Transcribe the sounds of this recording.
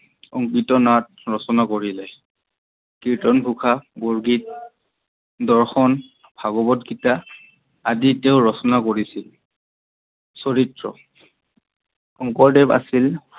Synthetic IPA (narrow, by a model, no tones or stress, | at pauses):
ɔŋkitɔnat̚ | ɹɔsɔnakoɹilɛ | kiɹtɔnbʱukʰaboɹɡit̚ | dɔɹxɔn | b̥ʱaɡɔbɔtɡitaː | diteʊɹɔsɔnakoɹisil | soɹitɹɔ̰ | ɔŋkɔɹdɛpa̰sil